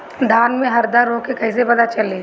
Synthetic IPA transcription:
d̪ʱaːnmẽɦɐɾd̪aɾːoːkːekɐɪs̬epɐd̪at͡ʃɐle

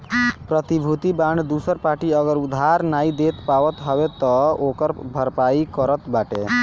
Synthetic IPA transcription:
pɾət̪ibʱut̪ibaɳɖd̪usəɾpaːʈiəɡəɾud̪ʱːaɾnaid̪et̪paʋət̪ɦɔʋet̪ɔokəɾbʱəɾpaikəɾət̪baʈḛ

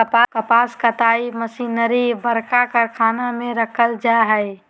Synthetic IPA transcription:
əpakəpaːskət̪aːiməsinəɾibəɾkakəɾkʰaːnamẽɾəkʰəld͡ʒaɦəɪ

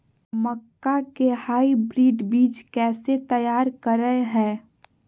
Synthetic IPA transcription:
məkːakehaːibɾiːɖbiːt͡ʃkɛːset̪əjaːɾkəɾəeɦɛ̃ː

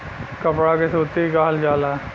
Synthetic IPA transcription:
kɐpɽakesoːt̪iɡaːld͡ʒaːla

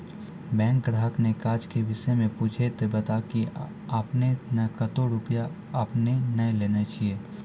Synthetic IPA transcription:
bɛ̃ːŋkɡɾaːɦəknekaːɾd͡ʒkeʋɪsəmẽpuːd͡ʒʱet̪ebɐt̪aki | apnenɐkət̪oɾʊpja | ɐpnenɐeleːnet͡ʃieː

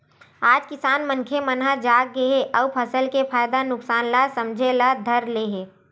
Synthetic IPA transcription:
aːd͡ʒkɪsaːnməŋkʰemənɦad͡ʒaːk̚ːəeʔɔwpʰəsəlkepʰaːjd̪anʊksaːnlasəmd͡ʒʱelad̪ʱəɾleɦeː

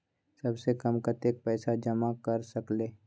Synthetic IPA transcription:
sɐbsekɐmkət̪eːk̚pɛːsad͡ʒɐmakɐɾsɐkleː

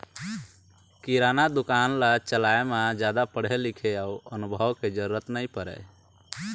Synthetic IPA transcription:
kiɾanad̪ukanlat͡ʃəlaemad͡ʒad̪apəɽ̤ɦelikʰeauənubʱəwked͡ʒəɾuɾət̪nəjpəɾɛ̰

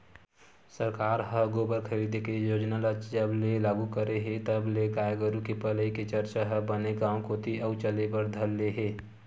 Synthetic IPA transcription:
səɾkaːɾɦəɡobəɾkʰəɾid̪ʱekejoːd͡ʒnalət͡ʃd͡ʒəblelaːɡukəɾeɦet̪əbleɡaːjəɡəɾukepələiket͡ʃəɾt͡ʃaɦəbəneɡãːõkot̪ʰiʔəʊt͡ʃəlebəɾd̪ʱəlːeɦeː

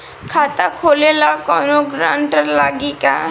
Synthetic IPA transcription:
kʰaːt̪akʰoːlelakɔːnoɡɾaːɳʈəɾlaːɡika̰

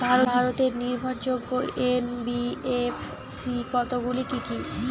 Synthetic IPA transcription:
bʱaɾobʱaɾot̪eɾniɾbʱaɾd͡ʑoɡːoenbief | sikɔt̪oɡulikiki

